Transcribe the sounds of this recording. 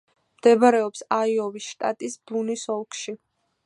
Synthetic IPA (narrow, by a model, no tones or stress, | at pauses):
md̪̥ɛbaɾɛɔpsaiɔvisʃt̪ʼat̪ʼisbunisɔlˠkʰʃi